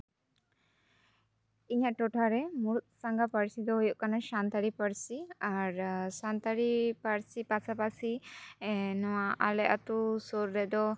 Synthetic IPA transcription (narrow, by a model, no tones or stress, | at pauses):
iɲaʔʈɔʈʰaɾɛmuɾut̪̚saŋɡapəɽsid̪ɔɦujɔʔkanaʃant̪aɾipəɽsiaɾsant̪aɾipaɾsipasʰapasi | nɔwaalɛʔat̪usɔɾːɛd̪ɔ